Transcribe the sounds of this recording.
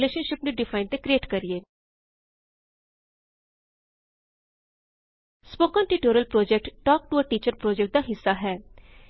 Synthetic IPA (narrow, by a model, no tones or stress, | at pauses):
leːʃənʃɪpneɖɪfʰaːɪnt̪eːkɾieːʈkəɾieː | spoːkaːnʈiːʈoːɾiəlpɾoːd͡ʒɛk̚ʈʈɔːk̚ʈuəʈiːt͡ʃəɾpɾoːd͡ʒɛk̚ʈ̚d̪aːɦɪsːaːɦɛː